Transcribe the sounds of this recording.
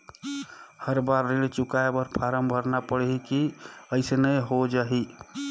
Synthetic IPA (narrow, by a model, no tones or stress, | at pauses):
həɾbaɾːeɽt͡ʃukaebəɾpʰaɾəmbʱəɾnapəɽɦikiəɪsenəjɦod͡ʒaɦi